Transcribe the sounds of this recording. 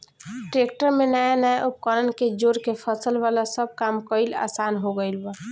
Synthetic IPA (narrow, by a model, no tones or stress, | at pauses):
ʈɾekʈəɾmenajanajʔup̚kəɾənked͡ʒoɾkepʰəsəlʋalasəb̚kamkəɪla̰sanɦoɡəɪlbə